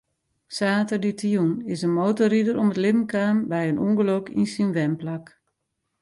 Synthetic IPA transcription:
saːtəditʰiunɪsənmoːtoridəɾomətlɪbn̩kaːnbɛjənʔuŋɡəlokḭnsinʋɛmplak

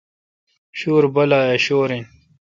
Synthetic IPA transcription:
ɕuːɾbɐlaːeɕoːɾin

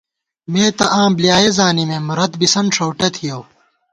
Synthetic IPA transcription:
meːt̪ɐʔãːmblijaːjezaːnimẽːmɾɐt̪bisɐnʂowʈɐt̪ʰijow

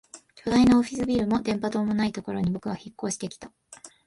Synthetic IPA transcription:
kʲo̞d̪ainooɸʲi̥sɨbʲiːɾɯ̟mo̞d̪ẽ̞mpat̪o̞ːmo̞nait̪o̞ko̞ɾo̞ɲ̟ibo̞kɯ̟βaçikːo̞ːɕi̥d̪e̞kʲi̥t̪a

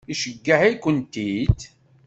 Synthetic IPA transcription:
iʃəɡːahæjkʷːənt̪it̪

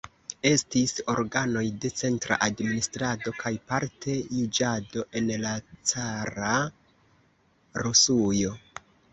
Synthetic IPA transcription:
e̞stiso̞ɾɡano̞jde̞t͡se̞ntɾa̰ʔadministɾado̞kʰajpaɾtʰe̞jud͡ʒado̞ʔe̞nlat͡saɾa | ɾusujo̞

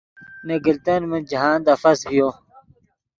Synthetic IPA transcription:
neɡilt̪ɐnmind͡ʑɐɦaːnd̪ɐfɐsbijoː

